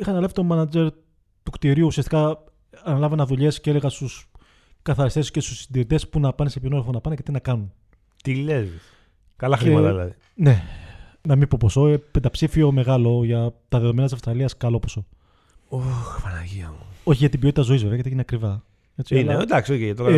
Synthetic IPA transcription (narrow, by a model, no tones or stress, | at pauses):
ixɐnɐlɐfit̪omɐnɐd͡ze̞ɾ | t̪ukt̪iɾiuusiɐst̪ikɐ | ɐːnɐlɐvɐnɐðuʎe̞scele̞ɣɐst̪us | kɐθɐɾist̪e̞sce̞st̪u̥sːind̪iɾit̪e̞spunɐpɐnesepinoɾofonɐpɐnece̞t̪inɐkɐnun | t̪ilezi | kɐlɐxɾiemɐt̪ɐðilɐ̰ði | ne̞nɐmibpo̞po̞so̞epe̞nd̪ɐpsifio̞me̞ɣɐlo̞ʝɐt̪ɐðeðoe̞nɐt̪isɐfst̪ɾɐliɐskɐlo̞poso̞ | oxpɐnɐʝiɐmuo̞çiʝɐt̪ibio̞t̪it̪ɐzo̞izve̞veɐcet̪iineɐkɾivɐ | et͡siined̪ɐksioçiɐt̪okɐ